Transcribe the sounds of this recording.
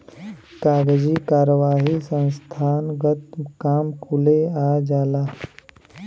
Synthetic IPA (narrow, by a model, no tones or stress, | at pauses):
kaːɡd͡ʒikaːɾəʋaːɦisə̃nst̪ʰaːnɡət̪kaːmkʰʊleaːd͡ʒaːlaː